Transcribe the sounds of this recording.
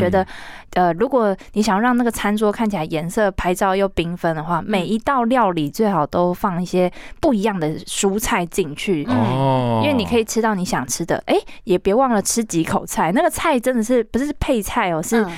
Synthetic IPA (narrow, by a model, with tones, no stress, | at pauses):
ɥɛ˧˥d̪ə˧ə˧ɻu˧˥kwɔ˨˩ni˨˧˥ɕjɑ˨˩ŋɻɑ˥˧ŋna˥˩ə˩t͡sʰa˥nt͡swɔ˥kʰa˥˩nt͡ɕʰi˨la˧˥ɪjɛ˧˥nsɤ˥˩pʰa˧˥ɪʈ͡ʂɑ˥ʊjo˥˩ʊpi˥ŋfə˥nd̪ə˨xwa˥˩me˨˩ɪi˧˥t̪ɑ˥˧ʊljɑ˥˧ʊli˨˩t͡swe˥˩ɪxɑ˨˩ʊt̪o˥ʊfɑ˥˧ŋi˥˩ɕjɛ˥pu˥˩i˧˥jɑ˥˩ŋd̪ə˩ʂu˥t͡sʰa˥˧ɪt͡ɕi˥˧ŋt͡ɕʰy˥˩˥ | i˥nwe˥˩ni˨kʰɤ˧˥i˨˩ʈ͡ʂʰɻ̩˥t̪ɑ˥˩ʊni˧˥ɕjɑ̰˨˩ŋʈ͡ʂʰɻ̩˥d̪ə̰˨ʔe˥˩ɪjɛ˨˩pjɛ˧˥wɑ˥˩ŋlə˩ʈ͡ʂʰɻ̩˥t͡ɕi˧˥kʰo˨˩ʊt͡sʰa˥˩ɪna˥˩ɡə˩t͡sʰa˥˩ɪʈ͡ʂə˧˥nd̪ə˨ʂɻ̩˥˩pu˧˥ʂɻ̩˥˧ʂ̩˥˧pʰe˥˧ɪt͡sʰa˥˩ɪɔ˨˩ʂɻ̩˥˩